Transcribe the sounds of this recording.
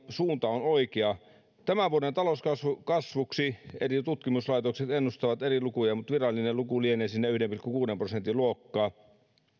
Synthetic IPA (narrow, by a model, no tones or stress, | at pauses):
suːnt̪ɑonoikeɑ | t̪æmæʋuodent̪ɑloskɑsʋukɑsʋuksierit̪ut̪kimuslɑit̪okset̪enːust̪ɑʋɑt̪erilukujɑmut̪ʋirɑlːˑinelukulieneːsinːæyhdempirkːˑukuːdemprosent̪iluokːɑː